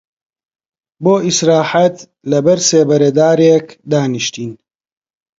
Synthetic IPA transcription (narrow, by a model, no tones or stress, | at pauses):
boːisɾaːħɐt̪ | lɐbɐɾseːbɐɾɐd̪aːɾeːkd̪aːniʃt̪iːn